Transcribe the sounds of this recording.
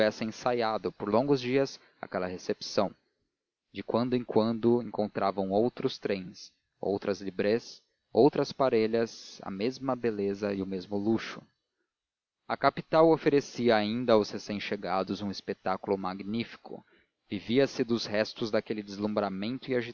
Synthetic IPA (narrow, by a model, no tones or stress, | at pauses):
ɛsɪẽsajad̪ʊpoɾlõɡʊzd͡ʒiɐs | a̰kɛlɐhesepsɐ̃w̃ | d͡ʒɪkwɐ̃nd̪ʊẽŋkwɐ̃nd̪ʊẽŋkõnt̪ɾʔavɐ̃w̃owt̪ɾʊst̪ɾẽj̃s | o̰wt̪ɾɐzlibɾes | owt̪ɾɐspaɾeʎɐsɐ̰mezmɐbelezɐɪʊmezmʊluʃʊ̥ | ɐkapit̪awofeɾesiɐaĩnd̪ɐawshesẽj̃ʃeɡad̪ʊzũispet̪akulʊmaɡnifi̥kʊ̰ | viviɐsɪd̪ʊzhɛst̪ʊzd̪akelɪd̪ɪzlũmbɾamẽnt̪ʊɪaʒi